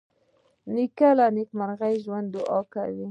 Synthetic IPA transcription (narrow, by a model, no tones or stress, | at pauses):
nɪkalanɪkmaɾɣajʒwand̪d̪ʊʔɑka̰wi